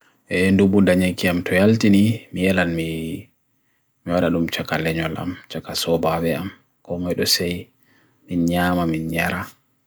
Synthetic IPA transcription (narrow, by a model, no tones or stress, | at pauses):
ʔɛndubundaɲaŋkiamtɔjaltinimijɛlanmi | miwaɗaɗumt͡ʃakalɛɲɔlʔa̰mt͡ʃakasɔbaɓɛam | kɔmajɗɔsɛj | minɲaːmaminɲaɾa